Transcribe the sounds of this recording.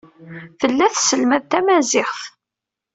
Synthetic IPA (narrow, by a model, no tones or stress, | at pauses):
θəlːæθsəlmæðt̪æmæzɪχθ